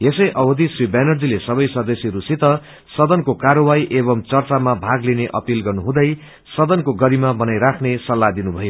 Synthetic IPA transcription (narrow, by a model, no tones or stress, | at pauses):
esʌjʔʌbʌd̪isribanʌrd͡zilesʌbʌjsʌd̪ʌsjɾusit̪ʌ | sʌd̪ʌnkokaɾʌwajʔebʌmt͡sʌrt͡samabʱaɡlineʔʌpilɡʌrnuɦũd̪ʌj | sʌd̪ʌnkoɡʌɾimabʌnajɾakʰnesʌlːad̪inubʱʌjo